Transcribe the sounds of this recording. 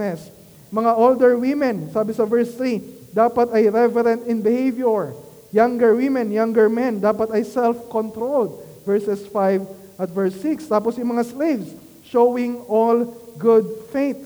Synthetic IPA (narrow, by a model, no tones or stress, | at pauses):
ɛs | mɐŋaʔold̪ɛɹwɪmɛ̃nsaːbɪsɐvɛɹst̪ɾi | d̪aːpɐt̪ɐjɾɛvɛɾɛ̃nt̪ɪnbɪhejvjoɹ | jaŋɡɛɹwɪmɛnjaŋɡɛɹmɛ̃nd̪aːpɐt̪ɐjsɛlfkont̪ɾold̪̚vɛɹsɛsfajv | ʔɐt̪vɛɹsɪkst̪aːposjʊŋmɐŋaslejvs | ʃowɪ̃ŋolɡʊd̪̚fet̪̚